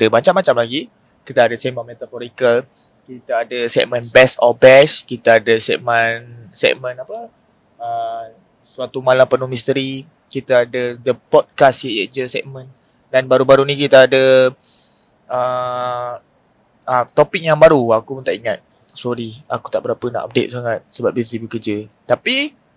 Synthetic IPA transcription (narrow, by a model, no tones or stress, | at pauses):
dəmat͡ʃamːat͡ʃamlaɡi | kit̪aːdasɛmə̃nmet̪afoɾikal | kit̪aːdəsɛ̰ʔ̚mə̃nbɛsɔbɛskit̪aadəsɛ̰ʔ̚mənsɛ̰ʔ̚mə̃napə | ə | suat̪umalampənuhmĩst̪əɾi | kit̪aːdəd̪əpɔd̚kasjəəd͡ʒəsɛ̰ʔ̚mə̃n | danbaɾubaɾunĩkit̪aːdə | ə | ət̪opɪk̚jaŋbaɾuakumənt̪aʔiŋat̪̚ | sɔɾia̰ku̥t̪aʔbəɾapəna̰ʔa̰p̚dḛt̪̚saŋat̪̚səbap̚bisibəkərd͡ʒət̪api